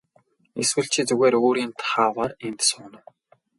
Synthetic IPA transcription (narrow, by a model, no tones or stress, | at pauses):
eswɘ̆ɬt͡ɕʰiːt͡suɣeːɾoːɾiːnt̪ʰχaːwaːrent̪sʊːnə̆